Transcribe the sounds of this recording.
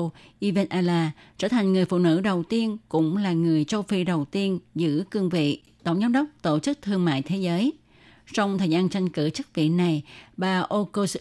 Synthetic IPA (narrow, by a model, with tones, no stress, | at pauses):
ʔi˧ve˧nʔaː˧laː˧t͡ɕəː˧˩t̪ʰa˨˩ŋ̟ŋɨ˨˩əjfṵ˧˨nɨ̰˧˥ɗə˨˩wt̪i˧ənkʊ̰˧˥ŋ͡mlaː˨˩ŋɨ˨˩əjt͡ɕə˧wfi˧ɗə˨˩wt̪i˧ənzɨ̰˧˥kɨ˧əŋvḭ˧˨ | t̪ə˧˩wŋ͡mzaː˨˦ŋ͡mɗə˦˥k͡p̚t̪o˧˩t͡ɕɨ˦˥k̚t̪ʰɨ˧əŋma̰ː˧˨jt̪ʰe˨˦zəː˨˦j | sɔ˧wŋ͡mt̪ʰəː˨˩zaː˧nt͡ɕa˧jŋ̟kɨ˧˩t͡ɕɨ˦˥k̚vḭ˧˨na˨˩jɓaː˨˩ʔo˧ko˧s